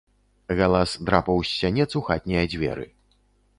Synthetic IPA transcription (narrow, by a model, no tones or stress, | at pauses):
ɣalˠasd̪ɾapɐwsʲːɐnʲɛt̪suxat̪̚ʲnʲɛjɐd͡zʲvʲɛ̰ɾɨ̰